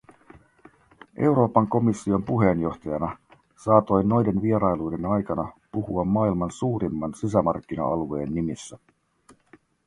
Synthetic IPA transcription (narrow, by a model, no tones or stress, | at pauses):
ʔe̞wɾo̞ːpɑŋko̞misːio̞mpuɦe̞njo̞xt̪ɑjɑnɑ | sɑːt̪o̞jno̞jdenʋieɾɑjlujde̞nɑjkɑnɑpuhuɑmːɑːilmɑnsuːɾimːɑnsis̬æmɑrkːinɑ̰ɑlue̞ːnːimisːæ